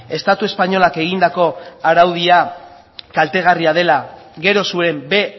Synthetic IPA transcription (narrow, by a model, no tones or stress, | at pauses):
e̞st̪at̪ue̞spaɲo̞lake̞ɣ̞ind̪ako̞aɾawðia | kalt̪e̞ɣ̞ariað̞e̞laɣe̞ɾo̞suɾe̞mbe̞